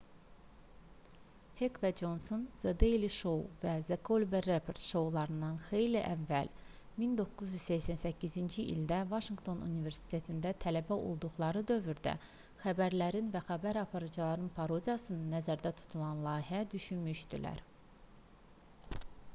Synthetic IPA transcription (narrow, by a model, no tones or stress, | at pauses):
hekvæd͡ʒo̞nsonz̥ed̪ejliʃo̞wvæzekʰolʲberepʰoɾt̪ʃo̞wlˠɑɾɯnd̪ɑnxe̞jliʔævːæl | mind̪o̞kːuzjyzseçsænsæcʰːizind͡ʒiʔḭld̪ævɑʃiŋɡt̪ʰo̞nṵnive̞ɾsi̥t̪ʰe̞t̪ʰind̪æt̪ʰælæbæo̞̰lˠd̪uɣlˠɑɾɯd̪ø̞vyɾd̪æ̰ | xæbæɾlæɾinvæxæbæɾɑpʰɑɾɯd͡ʒɑlˠɑɾɯnpʰɑɾo̞d̪ʲijɑsɯnɯnæzæɾd̪æt̪ʰu̥t̪ʰulˠɑnlˠɑːɦiæd̪yʃynmyʃd̪ḭlæ̰ɾ